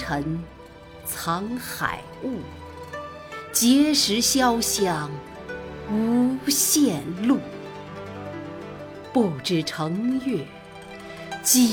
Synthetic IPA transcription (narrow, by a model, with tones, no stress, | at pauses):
ə˧˥ŋ | t͡sʰɑ˧˥ŋxa̰˨˩ɪu˥˩ | t͡ɕjɛ˧˥ʂɻ̩˧˥ɕjɑ˥ʊɕjɑ˥˩ŋ | u˧˥ɕjɛ˥˧nlu˥˩ | pu˥˩ʊʈ͡ʂɻ̩˥˩ʈ͡ʂʰɤ˧˥ŋjɛ˥˩ | t͡ɕi˧˩